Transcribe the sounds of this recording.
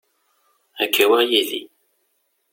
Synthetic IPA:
ækʰːæwajilḭ

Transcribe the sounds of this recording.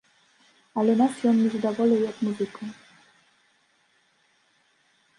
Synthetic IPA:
alɛnasjɔnːʲizad̪ɔvɔlɛwjɔd̪muzɘkɔ

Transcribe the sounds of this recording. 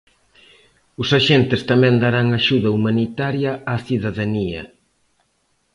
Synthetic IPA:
ʊsaʃent̪ɪst̪amɛ̃nd̪aɾaŋaʃuðɐumanit̪aɾjɐaθiðaðaniɐ̰

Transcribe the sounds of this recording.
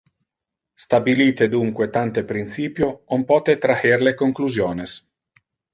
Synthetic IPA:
st̪abiliːt̪ed̪uŋkwet̪ant̪epɾint̪siːpjoompɔːt̪et̪ɾaheɾlekoŋkluzjoːnes

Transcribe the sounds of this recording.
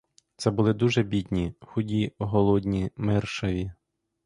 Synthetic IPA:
t̪sɛbʊlˠɪd̪uʒɛbʲid̪ʲnʲixʊdʲiɔɦɔlˠɔd̪ʲnʲimɛrʃɐʋʲi

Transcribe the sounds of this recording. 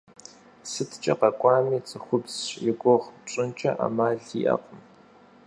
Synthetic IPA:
sɨtʰt͡ʃʼɐqɐkʷʼɑːmiːt͡sʼɨχʷʊbsɪɡʷʼoʁʈ͡ʂʼɨnt͡ʃʼɐ̰ʔa̰maːɮḭːʔɐ̰qʼəm

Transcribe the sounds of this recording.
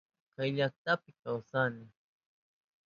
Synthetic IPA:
kajʎak̚t̪apɪkawsanɪ

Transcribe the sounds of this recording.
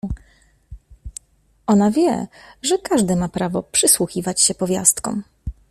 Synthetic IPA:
ɔnavʲjɛ̰ʐɛkaʐd̪ɘmapɾavɔpʂɘswuxʲivat͡ɕɕɛpɔvʲja̰st̪kɔ̰m

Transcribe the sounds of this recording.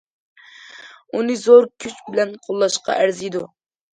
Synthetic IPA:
unɨzoɾkʲʰyt͡ʃbɪlɛnqʰolˠːɑʃqɑ̰ʔæɾzid̪u

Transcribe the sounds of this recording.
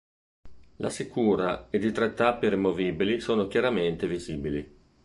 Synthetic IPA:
lʔa̰sikuːɾaed̪it̪ɾɛt̪ːapːiɾimoviːbilisoːnokjaɾament̪eviziːbili

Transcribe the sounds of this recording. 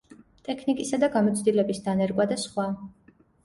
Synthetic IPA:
t̪ʼɛkʰnikʼisad̪aɡamɔt̪sʰd̪ilɛbisd̪anɛɾkʼwad̪asχwa

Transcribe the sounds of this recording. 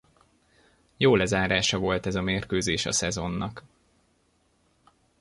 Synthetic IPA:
joːlɛzaːɾaːʃɒvo̞lt̪ɛzɒmeːrkøːzeːʃɒ̰sɛzo̞nːɒk

